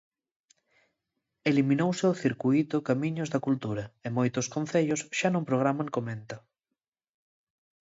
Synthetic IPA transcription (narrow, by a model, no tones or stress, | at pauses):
elimĩnowseoθiɾkuit̪ʊkamĩɲozðɐkult̪uɾɐɪmojt̪oskon̟θeʎosʃanõmpɾoɣ̞ɾamãŋkomẽnt̪o